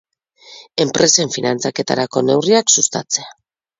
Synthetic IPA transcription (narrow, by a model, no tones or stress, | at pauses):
e̞mpɾe̞se̞ɱfinant͡sake̞t̪a̰ɾako̞ne̞wriaksust̪a̰t͡se̞a